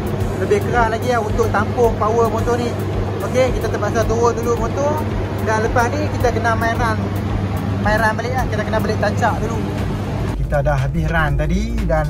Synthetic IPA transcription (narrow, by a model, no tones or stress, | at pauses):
ləbɪhkəɾaʔlaɡilaɦunt̪ʊʔ̚t̪ampʊŋpawəmot̪oni | okekit̪at̪əbaʔs̬at̪uodulumot̪ʊ | danləpahnikit̪akənamaiɾan | maiɾanbəlɪʔlahkit̪akənabəlɪʔt̪aɲt͡ʃaʔdulu | kit̪adaɦabiɦɾant̪adi | dan